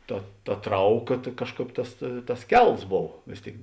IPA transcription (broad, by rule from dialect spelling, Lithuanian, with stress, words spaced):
ˈtɐ tɐ ˈtrɐʊˌkɐ tɐ ˈkɑːʃˌkɑːp ˈtɐs tɐs ˈkʲɛlˠs ˈboːw ˈʋʲeːs ˌtʲeːɪk